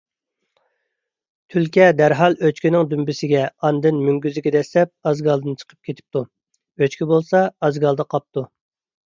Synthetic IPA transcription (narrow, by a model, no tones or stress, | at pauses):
t̪ʰylkʲɛd̪æɾɦɑlˠøt͡ʃkʲinɪŋd̪ymbɪsɪɡʲɛɑnd̪ɨnmyŋɡʲyzɪɡʲɛd̪ɛslɛp̚ɑzɡɑlˠd̪ɨnt͡ʃʰə̥qʰə̥p̚kʲʰet̪ʰɪ̥p̚t̪u | øt͡ʃkʲibolˠsɑɑzɡɑlˠd̪ɑqʰɑp̚t̪u